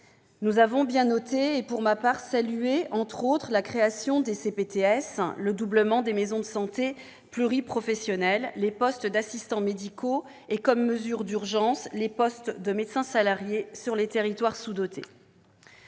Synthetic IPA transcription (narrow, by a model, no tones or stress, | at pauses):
nuzavɔ̃bjɛ̃nɔt̪eːpuʁmapaʁsalyeʔɑ̃t̪χot̪χəlakχeasjɔ̃d̪esepet̪eɛsləd̪ubləmɑ̃d̪emezɔ̃d̪əsɑ̃t̪e | plyʁipχɔfɛsjɔnɛlːepɔst̪d̪asist̪ɑ̃med̪ikʰo | ekɔmːəzyʁd̪yʁʒɑ̃slepɔst̪d̪əmet̪sɛ̃salaʁjesyʁlet̪eʁit̪waʁsud̪ɔt̪ʰḛ